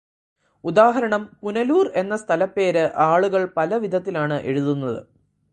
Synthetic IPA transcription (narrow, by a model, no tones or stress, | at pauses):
ud̪aːɦɐɾɐɳɐmpunɐluːre̞nːɐst̪ʰɐlɐpːe̞ːɾɨʔaːɭuɣɐɭpɐlɐʋid̪ʱɐt̪ːilaːɳɨʔe̞̰ɻuðunːɐðɨ̰